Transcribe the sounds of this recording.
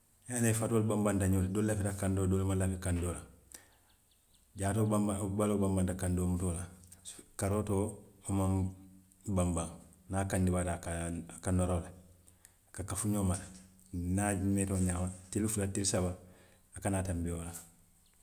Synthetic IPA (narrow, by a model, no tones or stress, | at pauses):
janajfatolbambantaɲoldoːllːafitakandodolmalafikandoːla | ɟaːtobabalobambantakandoːmutola | kaɾoːtoːomaŋ | bambãŋnakandibaːtakakanoɾola | kakafuɲomal | nametoːɲaːmatilifulatilsabaː | kanaːtambijola